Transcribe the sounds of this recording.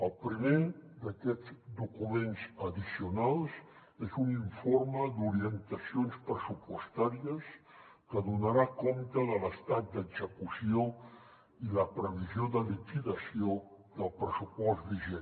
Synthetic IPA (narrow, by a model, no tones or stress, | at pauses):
əlˠpɾimed̪əkɛd͡zd̪ukumenzəðisiunalˠz | ezuniɱfoɾməd̪uɾiənt̪əsijonspɾəsupwəst̪aɾiəskəðunaɾakont̪əðələst̪at̪̚d̪əɡzəkusio | iləpɾəβ̞izjoðəlikiðəsio | ðəlˠpɾəsupɔzbiʒɛn